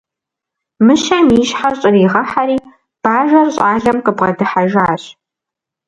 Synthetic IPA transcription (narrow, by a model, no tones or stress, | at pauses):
mɨʃɐmiːʃħarɕʼɪriːʁɐħaɾiː | b̥aːʒɐrɕʼaːɮɐmqəbʁɐdɨħaʒaːɕ